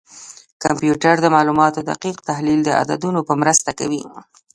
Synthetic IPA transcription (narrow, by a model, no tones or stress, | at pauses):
kampjuʈaɾd̪əmɑlumɑt̪od̪a̰qiqt̪ahlild̪əa̰d̪a̰d̪unopəmɾəst̪akawi